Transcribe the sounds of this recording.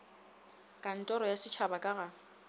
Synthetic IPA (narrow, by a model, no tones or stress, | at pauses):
kʼan̩tʼɔɾɔjasɪt͡ʃʰabakʼaɣa